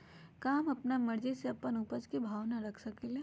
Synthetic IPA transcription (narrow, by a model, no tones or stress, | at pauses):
kaːmɐpnamɐɾd͡ʒiseɐpːənuːpəd͡ʒkibʱaːʋnaɾɐkʰsɐkele